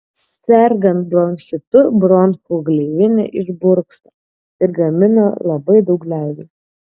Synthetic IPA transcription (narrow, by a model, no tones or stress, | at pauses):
sʲɛɾɡɐnt̪̚blɾɔnʲxʲɪt̪ʊbɾɔnxuɡlʲɛʋʲɪnʲɪ̰ʔɪʒbʊɾksɐ | ɪɾɡɐmʲɪno̰lˠɐbɐɪd̪ɐʊklʲæˑʊʋʲɛː